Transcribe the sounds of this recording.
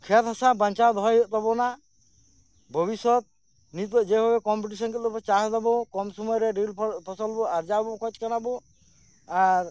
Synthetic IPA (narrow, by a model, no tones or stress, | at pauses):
kʰet̪ɦasabaɲt͡ʃad̪ɔjɔt̪ɔbɔna | bʱɔbisɔt̪̚ | nit̪ɔd͡ʒɛbʱabɛkɔmpiʈ̬isɔnkiɔpɔt͡ʃaɦd̪ɔbɔkɔmsɔmɔjɾɛɖilpʰɔɾpɔsɔlbɔaɾd͡ʒabɔkʰɔt͡ʃkanabɔ | aɾ